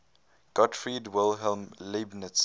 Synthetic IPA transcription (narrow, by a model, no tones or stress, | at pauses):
ɡ̥ɔtfɹidwɪlˠɦɛlmlɪbnəts